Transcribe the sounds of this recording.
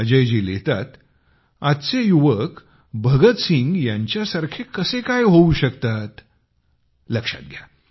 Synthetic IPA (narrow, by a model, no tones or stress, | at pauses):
d͡ʑəjd͡ʑilet̪a̰t̪ | at̪t͡sejuʋək | bʱəɡət̪siŋɡjaɲt͡ɕjasaɾkʰekəsekajɦouɕəkt̪at̪ | ləkʂa̰t̪̚ɡʱja̰